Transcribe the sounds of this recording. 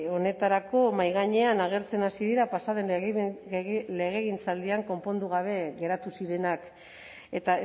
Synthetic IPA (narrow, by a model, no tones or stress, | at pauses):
o̞ne̞t̪aɾako̞majɣaɲe̞anaɣ̞e̞ɾt͡se̞nasiðiɾapasaðe̞n | le̞ɣ̞e̞ɣint͡sald̪iaŋko̞mpo̞nd̪uɣ̞aβ̞e̞ɣe̞ɾat̪usiɾe̞nak | e̞t̪a